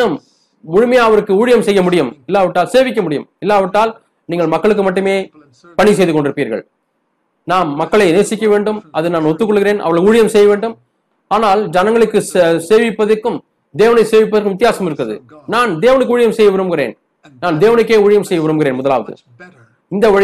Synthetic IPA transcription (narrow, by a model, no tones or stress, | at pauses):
ɐm | ʊɻʊmɐjaːɐʋɐɾɯkːɯuːɻɪjɐmsɛjːɐmʊɽɪjɯmɪlːaːʋɐʈːaːlseːʋɪk̬ːɐmʊɽɪjɯ̰mɪlːaːʋɐʈːaːl | niːŋɡɐɭmɐkːɐɭɯkːɯmɐʈːɯmeː | pɐɳis̬ɛjðɯkɔɳɖɪɾɯpːiːɾɣɐ̰ɭ | naːnːɐkːɐɭɐɪneːɾsɪkʲːɐʋeːɳɖɯmʔɐðɯnaːnɔt̪ːɯk̬ːɔɭːɯɣɪɾeːnʔɐ̰ʋɐɾɣɭuːɻɪjɐmsɛjːɐʋeːɳɖɯm | aːnaːld͡ʒɐnɐŋɡɐɭɯkːɯseːʋɪpːɐðɐkːɯm | d̪eːʋɐnɐɪseːʋɪp̬ːɐðɐɾkːɯmʋɪt̪ɪjaːsɐmɪɾɯkːɐðɯ̰ | naːnd̪eːʋɐnɯkːuːɻɪjɐmsɛjːɐʋɪɾɯmkɪrḛːn | naːnd̪eːʋɐnɯkːeːuːɻɪjɐmsɛjːɐʋɪɾɯmɡɪɾeːnmʊðɐlaːʋɐðɯ̰ | ɪnd̪ɐɐɻɪ